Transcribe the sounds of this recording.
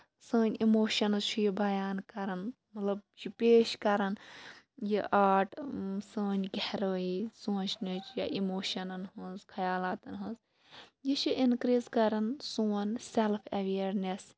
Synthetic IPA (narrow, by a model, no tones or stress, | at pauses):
sə̃ːnʲimoːʃɐnzt͡ʃʰujibɐjaːnkɐɾɐn | mɐt̪lɐb̚jʰipeːʃkɐɾɐn | jiʔaːɾʈsəːnʲɡʱeɾəːisuːt͡ʃʰnɨt͡ʃʰjaʔimoːʃɐnɐnɦũːzkʰɐjaːlaːt̪ɐnɦũz | jit͡ʃʰiʔinkɾiːzkɐɾɐnsuːɐnselpʰɐʋeːɐɾnes